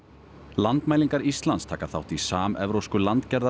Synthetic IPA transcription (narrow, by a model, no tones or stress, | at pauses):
lant̪majliŋkaɾist̪lanst̪ʰaːkaθawht̪isaːmɛ̰vɾowskʏlant̪cɛɾða